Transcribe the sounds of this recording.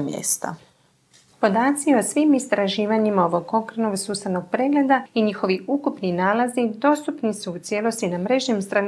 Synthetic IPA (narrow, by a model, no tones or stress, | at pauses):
mjḛːst̪a̰ | po̞d̪aːt̪sio̞sʋimist̪ɾaʒiːʋaɲimao̞ʋo̞ɡko̞kɾenoɡsuːsano̞ɡ̥̚pɾe̞ɡle̞d̪aiɲixo̞ʋiukupninaːlazid̪o̞st̪upnisuut̪sje̞lo̞st̪inamɾe̞ʒɲemst̪ɾa